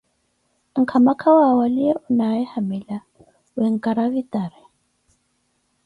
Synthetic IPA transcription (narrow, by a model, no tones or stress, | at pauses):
ŋ̩kʰamakʰawaːwaliɛʔʊnaɛhamɛla | wɛŋ̩kʼaɾavit̪ʼaɾɛ